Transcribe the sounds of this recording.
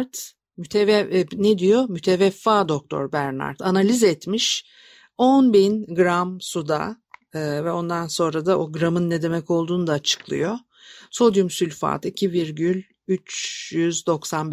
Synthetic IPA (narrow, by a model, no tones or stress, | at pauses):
ɾt̪ | myt̪ʰɛvɛned̪ijo̞myt̪ʰevɛfːaːd̪o̞k̚t̪ʰo̞̰ɾbæɾna̰ɾt̪ʰanalʲizɛt̪miʃ | onbinɡɾamsud̪a̰ | ɯvɛo̞nd̪anso̞nɾad̪ao̞ɡɾamɯnːɛd̪e̞mɛco̞lˠd̪uːnud̪aːt͡ʃʰɯ̥klˠɯ̰jo̞ | so̞d̪jumsylʲfa̰ːt̪icʰiviɾɟylʲ | yt͡ʃjyzd̪o̞ksanb